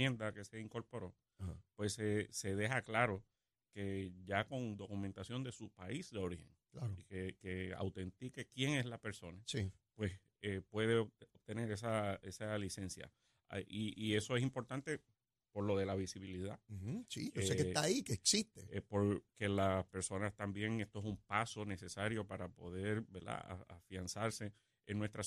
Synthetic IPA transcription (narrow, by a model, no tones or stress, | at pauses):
end̪ake̞se̞iŋko̞ɾpo̞ɾo̞ | pwe̞sese̞ðeɦaklaɾo̞ | ke̞ʝako̞ŋd̪o̞kumẽnt̪asjo̞nd̪e̞supaisd̪eo̞ɾihe̞̰ŋklaɾoikekea̰wt̪e̞nt̪ikekje̞ŋe̞slape̞ɾso̞nasi | pwe̞s | epwe̞ðeoop̚t̪e̞ne̞ɾesaesalise̞nsja̰ | ʔiie̞so̞esimpo̞ɾt̪ant̪e̞ | po̞ɾlo̞ðe̞laβisiβiliðasiosket̪aikeːksist̪epo̞ɾke̞laspe̞ɾso̞nast̪ambje̞ŋest̪oesumpaso̞ne̞se̞saɾjo̞paɾapo̞ðe̞ɾbeɾd̪a̰afjansaɾse̞ | eŋnwe̞st̪ɾa